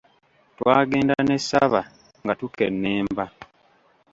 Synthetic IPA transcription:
twaːɡe̞ːndane̞sːaβa | ŋɡatukḛnːeːmba

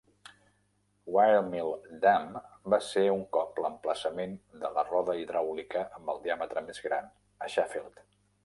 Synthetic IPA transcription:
wajlmilˠd̪ambaseuŋkɔpləmpləsəmend̪ələrɔðəiðɾawlikəʔəmbəlˠd̪iamət̪ɾəmezɣɾa̰n | əʃafelˠt̪

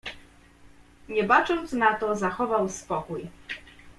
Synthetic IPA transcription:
ɲɛbat͡ʂɔnt̪snat̪ɔzaxɔvawspɔkuj

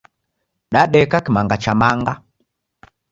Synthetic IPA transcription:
ɗaɗɛkakimaŋɡat͡ʃamaŋɡa

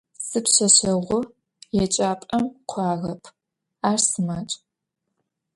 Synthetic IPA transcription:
sɨpɕɐɕɐʁʷʊ | jɛt͡ʃʼaːpʼɐmqʷʰɑːʁɐpʰ | aːrsɨmaːt͡ʃʼ

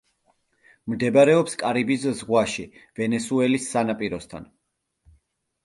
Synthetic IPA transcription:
md̪ɛbaɾɛɔpskʼaɾibiszʁwaʃivɛnɛsuɛlisːanapʼiɾɔst̪ʰa̰n

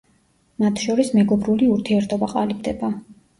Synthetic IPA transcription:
mat̪ʰʃɔɾismɛɡɔbɾuliuɾt̪ʰiɛɾt̪ʰɔbaqʼalibd̪ɛba

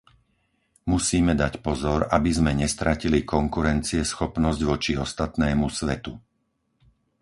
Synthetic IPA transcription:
musiːmɛd̪acpɔzɔɾabizmɛɲɛst̪ɾacilikɔŋkuɾɛnt͡siɛsxɔpnɔzɟʋɔt͡ʃiɔst̪at̪nɛːmusʋɛt̪u

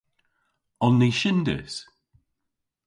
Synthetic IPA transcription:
ɔnːiʃɪndɪ̰s

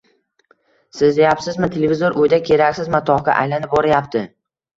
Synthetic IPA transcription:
sɪzd̪ejapsɪzmɪt̪ʰelevʲɪzoɾʔʊjd̪akʲʰe̞ɾakʲsɪzmat̪ʰɒka̰ʔa̰jlanɪp̚boɾajapt̪ʰɪ

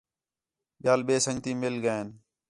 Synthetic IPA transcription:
ɓjaːlɓeːsə̃ŋɡt̪iːmeːlɡəeːn

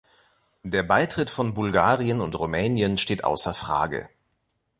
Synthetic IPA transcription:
d̥eːɐbaɪtʁ̥ɪtfɔnbʊlɡaːʁiənʊntʁumɛːnjənʃteːtʔa̰ʊsɐfʁ̥a̰ːɡə̰

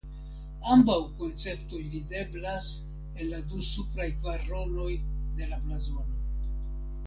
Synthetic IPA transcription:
ambawko̞nt͡se̞ptojvide̞blas | e̞nːadusupɾajkvaɾo̞lo̞jde̞laplazo̞no

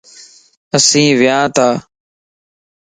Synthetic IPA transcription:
əsĩːʋɪjãːt̪aː

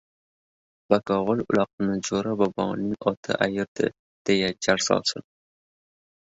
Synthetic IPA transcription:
b̥akɑʁolʊ̰lɑq̚ɨnɨd͡ʒoɾabɑbɑ̰nɪŋɒt̪ʰɨ̰ʔajɪɾd̪ɪ̰ | d̪̥ejad͡ʒaɾsɒ̰lˠsɨ̰n

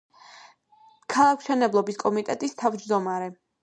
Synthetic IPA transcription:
kʰalˠakʰʃɛnɛblˠɔbiskʼɔmit̪ʼɛt̪ʼist̪ʰavd͡ʒd̪ɔmaɾɛ

